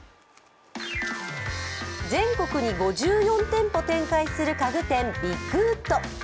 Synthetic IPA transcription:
d͡zẽ̞ŋko̞kɯ̟ɲ̟iɡo̞ʑɨːjõ̞nt̪ẽ̞mpo̞t̪ẽ̞ŋkaisɨɾɯ̟kaɡɯ̟t̪ẽ̞mbʲikɯːt̪ːo̞

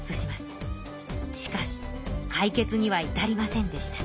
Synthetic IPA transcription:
t͡sɨɕimasɨ̥ | ɕi̥kaɕi̥kʰaike̞t͡sɨɲ̟iβ̞ait̪aɾʲimasẽ̞nd̪e̞ɕi̥t̪ḁ

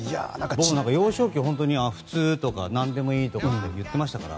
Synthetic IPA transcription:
ja̰akbonãŋkajo̞ːɕo̞ːkʲiɦõ̞nt̪̬o̞ɲ̟iaɸɯ̟̥t͡sɨːt̪o̞ka̰nãnd̪e̞mo̞iːt̪o̞kaejɯ̟t̪ːe̞maɕi̥t̪akaɾa̰

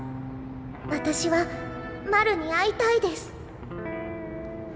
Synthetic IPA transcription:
βat̪aɕiβa | maɾɯ̟ɲ̟iait̪aid̪e̞sɨ̥

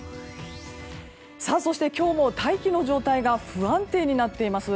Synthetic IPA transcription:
saso̞ɕi̥t̪ekʲo̞ːmo̞t̪aikʲino̞ʑo̞ːt̪aiɡaɸɯ̟ãnt̪e̞ːɲ̟inat̪ːe̞imasɨ

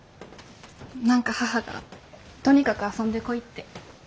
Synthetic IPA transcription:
nãŋkahahaɡa̰t̪o̞ɲ̟ikakɯ̟asõnd̪e̞ko̞it̪ːe̞

